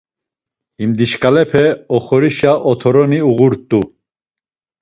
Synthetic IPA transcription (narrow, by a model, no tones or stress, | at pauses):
imd̪iʃkʼalɛpʰɛɔχɔɾiʃaʔɔt̪ʰɔɾɔniuɣuɾt̪ʼu